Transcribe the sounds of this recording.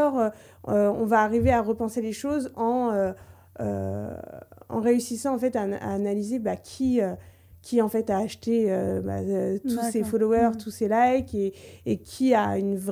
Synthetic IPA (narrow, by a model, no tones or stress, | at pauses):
ɔʁø | øɔ̃vaːʁiveaʁəpɑ̃seleʃozɑ̃ø | ø̰ | ɑ̰̃ʁeysisɑ̃ɑ̃fɛt̪aa̰ːnalizebakʲʰiø | kʲiɑ̃fɛt̪aːʃt̪eøba̰øt̪ʰusefɔlɔwœʁt̪uselajkeːkʲʰiaynv